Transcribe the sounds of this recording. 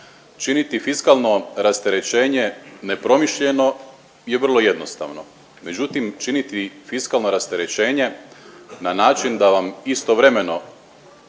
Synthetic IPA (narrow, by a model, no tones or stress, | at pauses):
t͡ʃinit̪ifiskalˠno̞ɾast̪eɾe̞t͡ʃe̞ːɲe̞ne̞pɾo̞miʃʎe̞no̞ | jeʋr̩lˠo̞je̞d̪nost̪a̰ːʋno̞̰ | me̞d͡ʑut̪imt͡ʃinit̪ifiskalˠno̞ɾast̪eɾet͡ʃe̞ːɲe̞ | nanaːt͡ʃind̪aʋamist̪o̞ʋɾe̞me̞no̞